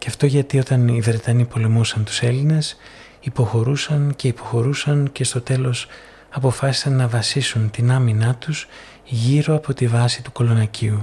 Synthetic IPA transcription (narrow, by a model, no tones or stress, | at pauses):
ceɐft̪o̞ʝɐt̪io̞t̪ɐnivɾe̞t̪ɐnipo̞le̞musɐnt̪u̥se̞line̞s | ipo̞xo̞ɾusɐnce̞ipo̞xo̞ɾusɐnce̞st̪o̞t̪e̞lo̞s | ɐpo̞fɐsi̥sɐnːɐvɐsisunt̪inɐminɐt̪us | ʝiɾo̞ɐpʰo̞t̪ivɐsit̪uko̞lo̞nɐcʰiu